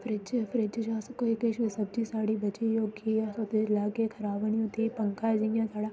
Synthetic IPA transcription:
fʰɾɪd͡ʒfʰɾɪd͡ʒd͡ʒaːsɐkoːikeʃisɐbd͡ʒiːsaːɽibɐt͡ʃijoːɡijãsot̪elaːkekʰɐɾaːʋəniot̪ipɐŋkad͡ʒĩjãt̪ʰaːɽaː

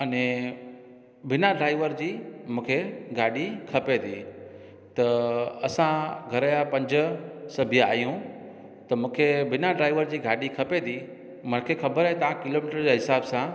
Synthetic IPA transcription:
ɐnẽ | bɪnaɖɾaːɪʋəɾd͡ʑiːmũːkʰeɡaːɗikʰɐpet̪ʰiː | t̪ɐɐsãɡʱɐɾəjapɐ̃ɲd͡ʑʊ̆sɐbʱija̰ːjũ | t̪ɐmũːkʰebɪnaɖɾaːɪʋəɾd͡ʑiːɡaːɗikʰɐpet̪ʰi | mɐnkʰexɐbəɾaɦet̪ɐʋãkɪloːmiːʈəɾd͡ʑaɦɪsaːbsã

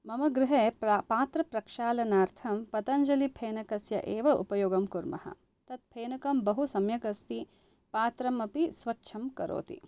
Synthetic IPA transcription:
mɐmɐɡɾɪɦeːpaːt̪ɾɐpɾɐkʂaːlɐnaːɾt̪ʰɐmpɐt̪ɐɲd͡ʒɐlipʰeːnɐkɐsjɐ̰ʔeːʋɐʔṵpɐjoːɡɐmkuɾmɐ̰hɐ̰ | t̪ɐt̪̚pʰeːnɐkɐmbɐɦusɐmjɐkɐst̪i | paːt̪ɾɐmɐpisʋɐtːʃʰɐmkɐɾo̰ːt̪ḭ

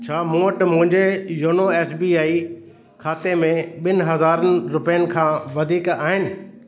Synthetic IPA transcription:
t͡ɕʰaːmũːəʈmʊ̃ɦɪ̃ɲd͡ʑejoːnoeːsbiaːi | kʰaːt̪emẽɓɪnɪ̆ɦɐzaːɾənɪ̆ɾʊpɛjənɪ̆kʰãːʋɐd̪ʱiːkaːɦɪnɪ̆

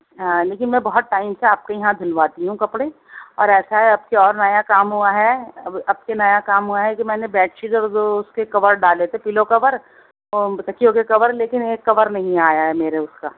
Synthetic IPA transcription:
ɦãːleːkɪnmɛ̃ːbɔɦʊt̪̚ʈːaːɪmseaːp̚kejɐɦãd̪ʱʊlʋaːt̪iɦũkɐpɽe | ɔ̰ːɾɛːsaɦɛɐb̚keɔːɾnɐjakaːmɦuaɦɛɐbɐb̚kenɐjakaːmɦʊaɦɛkimɛ̃ːnebɛːʈʃɪzɔːɾd͡ʒoʊskekɐʋəɾɖaːlet̪epɪlokɐʋəɾ | sɐkʰijõkekɐʋəɾleːkɪneːkːɐʋəɾnɐɦĩaːjaɦɛmeːɾeʊskaː

